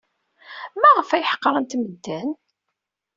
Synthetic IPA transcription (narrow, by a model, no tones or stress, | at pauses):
mæʁəfæjħə̥qːɾˤənt̪məd̪ːæn